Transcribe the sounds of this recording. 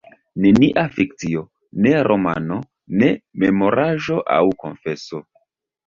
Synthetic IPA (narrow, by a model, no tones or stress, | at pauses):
ne̞niʔafik̚t͡sio̞ | ne̞ɾʔo̞ma̰no̞ | ne̞memo̞ɾaʒo̞ʔa̰wko̞̰nfe̞so̞